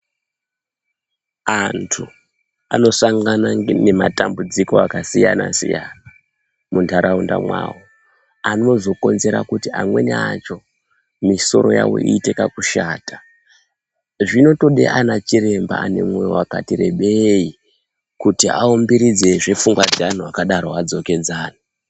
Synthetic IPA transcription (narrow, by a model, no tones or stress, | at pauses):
antʰu | ano̞saŋɡanane̞matambud͡ziko̞akasijanasḭjana | muntʰaɾʔaunda̰mwaːwo | ano̞zo̞ko̞nze̞ɾakutiamwe̞neat͡ʃo̞ | miso̞̰ɾo̞ja̰wo̞̰ʔiːte̞kakuʃaːtḁ | ʐino̞to̞ɗḛʔanat͡ʃiɾe̞mbaane̞̰mwejowaka̰tiɾe̞̰ɓei | kutia̰ombiɾid͡ze̞ʐe̞fuŋɡwad͡zeanuakaɗaɾoad͡zo̞ke̞d͡zaːna